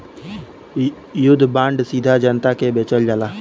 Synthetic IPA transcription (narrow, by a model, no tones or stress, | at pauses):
jʊd̪ʱːbãːɳɖsiːd̪ʱad͡ʒənt̪akebeːt͡ʃəld͡ʒaːlaː